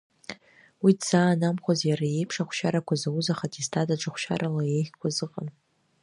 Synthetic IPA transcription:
widz̥aːnamχʷozjaɾaje̞jpʰʂaχʷʃaɾakʷʰazawuzaχatʼistʰadaʈ͡ʂʼɨχʷʃa̰ɾalajeχʲkʷʰazɨqʼan

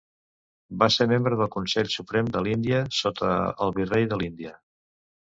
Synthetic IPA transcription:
basemembɾəðəlˠkunsɛʎsupɾɛmd̪əlind̪iəsot̪ʰə̰ːlˠβirejðəlind̪iə

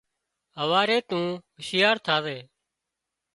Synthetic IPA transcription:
ɦəʋaːɾeːt̪ũːɦəʃɪjaːɾt̪ʰaːʋeː

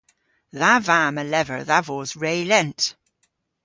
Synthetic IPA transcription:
ðavaːməlɛvə̰˞ðavoːzɹeːlɛnt

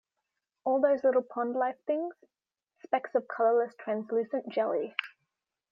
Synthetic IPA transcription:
ɔːlˠðəʊzlɪɾl̩ˠpʰɒ̃ndˡlaɪfθɪ̃ŋz̥ | spɛksəv̥kʰʌlələstʰɹ̥æ̃nslʉˑsə̃nd̥ʒ̥ɛlˠi

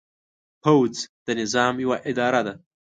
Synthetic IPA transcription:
pawzd̪̥ənɪzɑmjawaʔɪd̪ɑɾad̪a

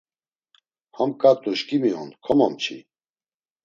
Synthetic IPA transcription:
hamkʼat̪ʼuʃkʼimiɔnkʰɔmɔmt͡ʃʰḭ

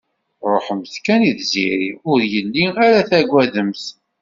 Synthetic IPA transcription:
ɾˤoħəmθkæniðziɾiʊɾjəlːiæɾæθæɡʷːæðəmθ

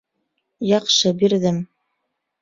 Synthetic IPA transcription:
jɑqʃɤbiɾðɘm

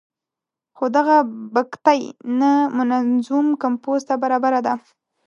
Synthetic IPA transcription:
xod̪aɣabakt̪ajnamʊnazumkampozt̪abaɾɑbaɾad̪a

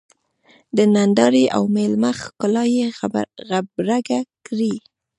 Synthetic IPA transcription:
d̪ənand̪ɑɾeʔa̰wmelmaxkʊlɑjeɣabɾaɡakɾi

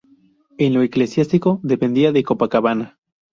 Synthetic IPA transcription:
enloeklesjast̪iko̞ðe̞pe̞nd̪iaðekopakaβana

